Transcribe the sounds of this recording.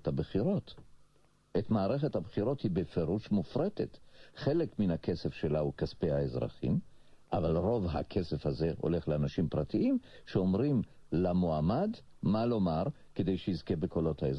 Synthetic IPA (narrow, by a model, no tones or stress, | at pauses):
thabeχiʁo̞t̪ | etmaːʁe̞χethabχiʁo̞thibefeʁuʃmufʁete̞tχe̞lekminake̞sefʃelaukaspeaezʁa̰χḭm | ʔavalʁo̞vɦa̰kʰe̞sefhaze̞ʔo̰le̞χleanaʃimpʁatiimʃeomʁim | lamoamad | malo̞maʁ | kede̞jʃejizke̞bekolo̞thaez